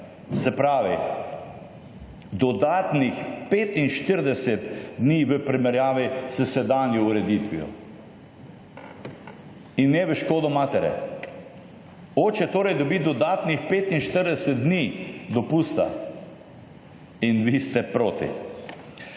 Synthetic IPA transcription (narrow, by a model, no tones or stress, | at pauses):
sɛpɾaːʋi | d̪ɔd̪aːt̪nixpeːt̪inʃt̪əɾd̪ɛsɛt̪d̪niːʋəpɾimɛɾjaːʋisɛsɛd̪aːnjɔuɾɛd̪it̪ʋḭɔ̰ | inːɛʋəʃkoːd̪ɔmaːt̪ɛɾjɛ̰ | oːt͡ʃɛt̪oːɾɛjd̪ɔbid̪ɔd̪aːt̪nixpeːt̪inʃt̪əɾd̪ɛsɛt̪̚d̪niːd̪ɔpuːst̪a̰ | inʋist̪ɛpɾoːt̪ḭ